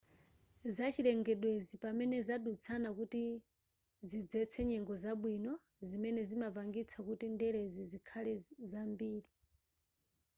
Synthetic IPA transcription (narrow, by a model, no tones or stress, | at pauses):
zat͡ʃiɾɛŋɡɛɗwezipamɛnɛzaɗut͡sʰanakuti | zid͡zɛt͡sʰɛɲɛŋɡɔzaɓwinɔ | zimɛnɛzimavaŋɡit͡sʰakutindɛɾezizikʰalɛzambiːɾi